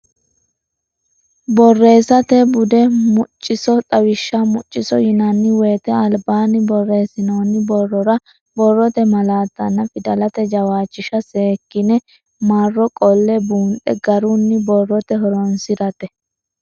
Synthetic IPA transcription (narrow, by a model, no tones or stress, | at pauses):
bɔrːe̞ːsɐt̪ɛbʊd̪ɛmʊt͡ʃʼːɪsɔt̪ʼɐwɪʃːamʊt͡ʃʼːɪsɔjɪnɐnːɪweːt̪ɛɐlbaːnɪbɔrːe̞ːsɪnoːnːɪbɔrːɔɾɐ | bɔrːɔt̪ɛmɐlaːt̪ːɐnːɐfɪd̪ɐlɐt̪ɛd͡ʒɐwaːt͡ʃːɪʃɐseːkːɪnɛ | maːrːɔkʼɔlːɛbuːnɗɛ̰ɡɐɾʊnːɪbɔrːɔt̪ɛɦɔɾɔnsɪɾɐt̪ɛ